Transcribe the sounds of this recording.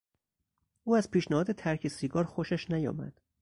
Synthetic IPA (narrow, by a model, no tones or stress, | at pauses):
ʔuːæzpʰiːʃnæhɒːd̪e̞t̪ʰæɾcʰesiɡɒːɾxoʃæʃnæjɒ̰ːmæ̰d̪̥